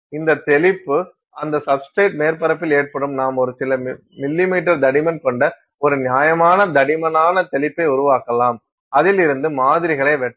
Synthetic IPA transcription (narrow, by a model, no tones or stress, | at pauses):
ɪnd̪ɐt̪ɛlɪpːɯ | ɐnd̪ɐsɐpsʈɾeːʈ̚meːɾpɐɾɐpːɪleːʈ̚pɐɽɯmnaːmɔɾɯsɪlɐ | mɪlːɪmiːʈːɐɾd̪ɐɽɪmɐnkɔɳɖɐ | ɔɾɯnjaːjɐmaːnɐd̪ɐɽɪmɐnaːnɐt̪ɛlɪpːɐɪʊɾʊʋaːkːɐlaːm | ɐðɪlɪɾɯnd̪ɯmaːðɪɾɪɣɐɭɐɪʋɛʈː